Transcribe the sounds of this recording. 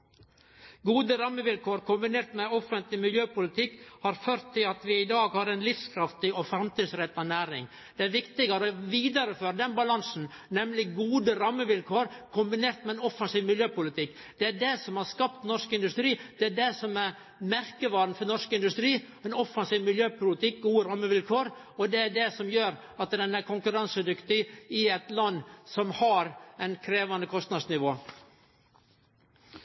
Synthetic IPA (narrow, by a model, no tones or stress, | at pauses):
ɡuːd̪əɾɑmːəʋɪlkʰoːɾkʰʊmbɪneːɾt̪mɛɔfənt̪lɪmɪljøːpʊlɪt̪ʰɪkːhɑɾføːɾt̪ʰːɪlɑt̪ʋɪɪd̪ɑːɡhɑɾɛnlɪfskʰɾɑft̪ɪɔfɾɑmt̪iːd̪sɾɛt̪ːɑnæːɾɪ̰ŋ | d̪̥ɛæɾʋɪkt̪ɪɡəɾɔʋiːd̪ɑɾəføːɾəd̪ɛnbɑlɑnsn̩ | nɛmlɪɡuːd̪əɾɑmːəʋɪlkʰoːɾkʰʊmbɪneːɾt̪mɛɛnɔfɑnsiːʋmɪljøːpʊlɪt̪ʰɪkː | d̪̥ɛæɖɛsɔmhɑɾskɑpt̪nɔʂkɪnd̪ʉst̪ɾiːd̪̥ɛæɖɛsɔmæɾ | mæɾkəʋɑːɾn̩fɔɾnɔʂkɪnd̪ʉst̪ɾiː | ɛnɔfɑnsiːʋmɪljøːpʰʊlɪt̪ɪk̚ɡuːəɾɑmːəʋɪlkʰoːɾ | ɔd̪ɛæɖɛsɔmjøːɾ | ɑt̪d̪ɛnæɾkʰʊŋkʉɾɑnsəd̪ʏkt̪ɪɪɛt̪lɑnːsɔmhɑɾɛnkʰɾeːʋɑnd̪əkʰɔst̪nɑd̪snɪʋoː